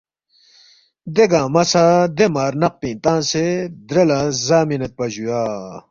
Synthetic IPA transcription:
d̪eɡãːmɐsad̪emaːɾnɐq̚pĩːnt̪ãːnsed̪ɾelãːzaːminɐt̪̚pɐʑujaː

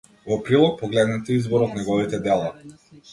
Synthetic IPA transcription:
vɔpɾilˠɔk̚pɔɡlɛd̪nɛt̪ɛizbɔɾɔt̪nɛɡɔvit̪ɛd̪ɛlˠa

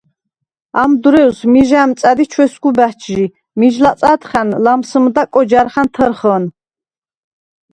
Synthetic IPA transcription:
amd̪uɾɛwsmiʒamt̪t͡s̪ʼad̪it͡ʃʰwɛsɡubæht͡ʃʰʒi | miʒlasʼat̪χanlamsəmd̪akʼɔd͡ʒaɾχant̪ʰəɾχən

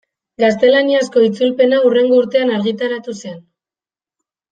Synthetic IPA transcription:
ɡast̪e̞laniasko̞it͡sulpe̞naure̞ŋɡo̞uɾt̪e̞anaɾɣit̪aɾat̪usen

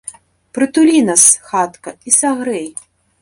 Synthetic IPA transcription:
pɾɨt̪ulʲinɐsxat̪kɐisaɣɾɛj

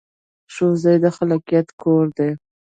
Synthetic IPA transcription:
ʃozajd̪əxalakijat̪kʰoɾd̪e

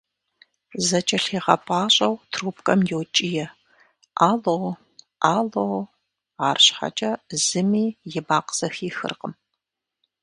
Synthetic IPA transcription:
zɐt͡ʃʼɐɬiːʁɐ̰pʼaːɕʼɐwtʰruːpʰkʼɐmjɛwt͡ʃʼijɛ | ʔaːlow | ʔaːlow | aːrɕħa̰t͡ʃʼɐz̥ɨmiːjɪbaːqz̥ɐxiːxɨ̰rqəm

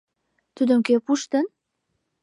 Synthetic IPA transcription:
t̪ud̪ə̆mkepuʃt̪ə̆n

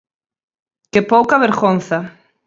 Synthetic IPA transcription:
kepowkaβeɾɣonθa

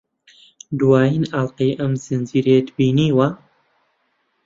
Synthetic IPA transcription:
d̪waːjinaːlqiːʔɐmz̥ɨnd͡ʒiːɾeːd̪biːniːwa

